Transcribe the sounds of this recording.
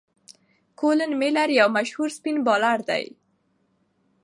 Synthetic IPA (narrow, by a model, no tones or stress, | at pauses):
kolənmelaɾjawmaʃhuɾspinbɑlaɾd̪a̰j